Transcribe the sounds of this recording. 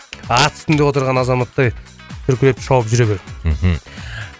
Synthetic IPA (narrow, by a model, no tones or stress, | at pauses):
ɑt̪sɪ̥t̪ɪnd̪e̞wo̞t̪əɾʁɑnɑzɑmɑt̪ːɑj | t̪ʰʏɾkʲʰɪlepʃɑwəpʒʏɾeβe